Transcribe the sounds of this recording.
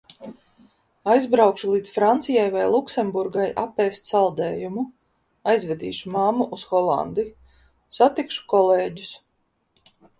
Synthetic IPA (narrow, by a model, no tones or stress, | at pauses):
ajzbɾawkʃulˠiːd̪sfɾant̪sijajvajlˠuksɛmbuɾɡajʔapɛːst̪salˠd̪ɛːjumu | ajzvɛd̪ḭːʃumamuʔusxɔlˠa̰nd̪i | sat̪ikʃu̥kɔleːɟu̥s